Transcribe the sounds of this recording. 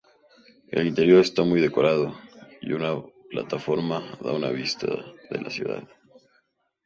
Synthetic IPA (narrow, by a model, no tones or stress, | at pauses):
e̞̰lint̪e̞ɾjo̞ɾe̞st̪amujðe̞ko̞ɾaðo̞ḭunaplat̪afo̞ɾmaða̰unaβist̪aðe̞lʔasjṵða̰ð